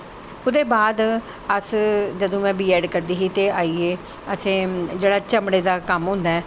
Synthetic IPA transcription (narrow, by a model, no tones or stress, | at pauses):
ʊd̪eːbaːd̪ | əsd͡ʒəd̪õːmɛ̃ːbiːɛːɖkəɾd̪iːɦiːt̪eːʔaːiːeː | əsẽːd͡ʒeːɽaːt͡ʃəmɽeːd̪aːkəmɦʊ̃ːnd̪aːɛː